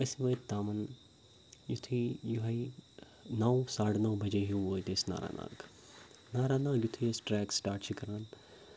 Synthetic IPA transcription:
ɐsiʋɐːt̪t̪aːmɐn | jut̪ʰijuɦai | nɐwsaːɽnɐwbʱɐd͡ʒeɦuoːjt̪eːsna̰ːɾa̰ːnã̰ːɡ | naːɾaːnãːɡjut̪ʰisʈɾɛːksʈaːɾʈt͡ʃʰikɐɾaːn

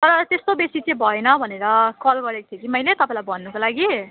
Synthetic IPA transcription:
t̪ʌɾʌt̪est̪obesit͡sẽbʱʌenʌbʱʌneɾʌkʌlɡʌɾekt̪ʰekimʌjlet̪ʌpãĩlajbʌnːukolaɡi

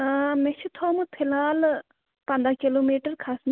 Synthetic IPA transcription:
meʃʰit̪ʰoːmɨt̪ʰilaːl | pɐ̃nd̪akiloːmiːʈɐɾkʰasn

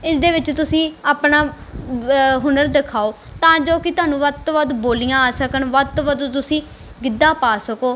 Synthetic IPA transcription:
ɪsd̪eːʋɪt͡ʃt̪ʊsĩːaːpnaː | ɦʊnəɾd̪ɪkʰaːoː | t̪ãːd͡ʒoːkɪt̪ʊaːnũːʋət̪oʋəd̪boːlijãːaːsəkənʋət̪oʋəd̪t̪ʊsĩː | ɡɪd̪ãːpaːsəkoː

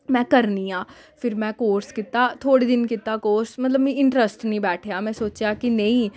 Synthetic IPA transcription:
mɛ̃ːkəɾniːaː | pʰɪɾmɛ̃ːkoːɾskɪt̪ːaːt̪ʰoːɽiːd̪ɪnkɪt̪ːaːkoːɾsmət̪ləbĩːɪɳʈɾəsʈnĩːbɛːʈʰejaːmɛ̃ːsoːt͡ʃjaːkɪnəĩː

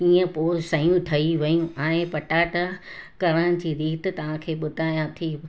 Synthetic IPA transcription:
iːə̃poːsɐjũʈ̪ʰɐiʋɐjũʔãːɪ̃pɐʈaːʈakɐɾəɽ̃ɪ̆d͡ʑiːɾiːt̪t̪ɐʋ̤ãkʰeːɓʊd̪ʱaːjãt̪ʰiː

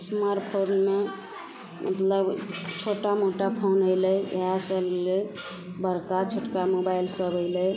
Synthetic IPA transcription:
smaɾʈpʰonme | mʔə̰t̪ləbt͡ʃʰoʈamoʈapʰonɦoɪləjḛɦasəllə | bəɾkat͡ʃʰoʈkamobaɪlsəbʱəɪləj

